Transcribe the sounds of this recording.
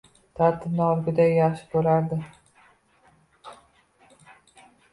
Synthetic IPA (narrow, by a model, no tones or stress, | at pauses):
t̪ʰaɾt̪ʰɪbnɒlɡʲɪd̪ajaχʃɪ̥bolaɾd̪ɪ